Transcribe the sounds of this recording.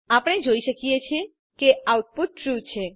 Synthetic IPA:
apɽ̃ed͡ʒojʃəkiet͡ɕʰe | keawʈ̚puʈ̚ːɾut͡ʃʰe

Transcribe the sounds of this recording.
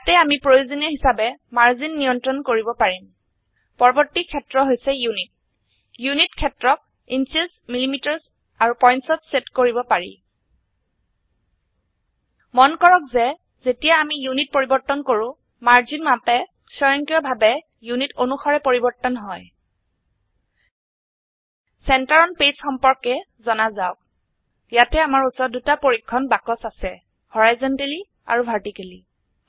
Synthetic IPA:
jatɛamipɹojuzɔnɔɦisabɛmaɹzinːijɔntɹɔnkoɹibɔpaɹim | pɔɹbɔɹtːikʰːɛtɹɔɦojsɛjunit̚ | junitkʰɛtɹɔk̚ | insismilimitɔɹs | aɹupɔjnsɔtsetkoɹibɔpaɹḭ | mɔnkɔɹɔk̚zɛ | zetijaamijunit̚poɹibɔɹtːɔnkoɹʊ̃ | maɹzinmapɛ | sɔɹaŋkijɔbʱabɛ | junitonuxɔɹɛpoɹibɔɹtːɔnɦɔj | sɛntaɹɔnpesxɔmpɔɹkɛ | zɔnazaʊk̚ | jatɛamaɹusɔdutapoɹikʰːɔnbakɔsasɛ | hɔɹajzɔnteli | a̰ɹubʱaɹtikeli

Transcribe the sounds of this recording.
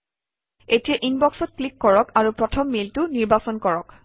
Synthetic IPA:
etijaʔinbɔksɔt̚klikːɔɹɔkaɹupɹɔtʰɔmːiltʊniɹbasɔnkɔɹɔk

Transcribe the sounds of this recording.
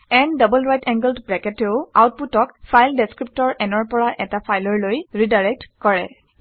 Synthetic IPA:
ɛndʌbɔlɹajtɛ̃ŋɡəldbɹɛkɛteʊawt̚putɔkfʰajldeskɹip̚tɔɹʔɛnɔɹpɔɹaʔɛtapʰajlɔɹlojɹidaɹɛk̚tkɔɹɛ̰

